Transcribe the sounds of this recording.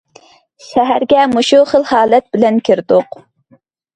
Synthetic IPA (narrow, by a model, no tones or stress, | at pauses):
ʃæɦæɾɡʲɛmoʃuχəlˠhɑːlɛt̪̚b̥ɪlɛnkʲʰiɾd̪ʊq